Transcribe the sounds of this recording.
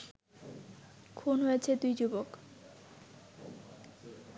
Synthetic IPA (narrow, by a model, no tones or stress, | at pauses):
kʰunɦojet͡ɕʰed̪ujd͡ʑubok